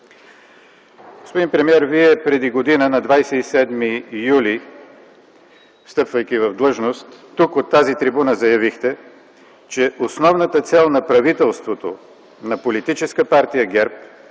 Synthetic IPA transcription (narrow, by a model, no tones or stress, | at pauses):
ɡospod̪inpɾɛmiɛɾviɛpɾɛd̪iɡod̪inənɐd̪vajsɛisɛd̪mijuli | fst̪ɤpvəjk̟ivɐvd̪lˠɤʒnost̪ːukot̪ːazit̪ɾibunəzɐjɐvixt̪ɛ | t͡ʃɛʔosnɔvnət̪ət̪sɛlˠnɐpɾɐvit̪ɛlˠst̪vot̪o | nɐpolit̪it͡ʃɛskəpaɾt̪ijəɡɛɾp̚